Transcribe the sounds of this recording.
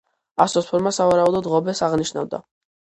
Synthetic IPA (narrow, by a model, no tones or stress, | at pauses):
asɔspʰɔɾmasavaɾaɔd̪ɔd̪ʁɔbɛsaʁniʃna̰vd̪a̰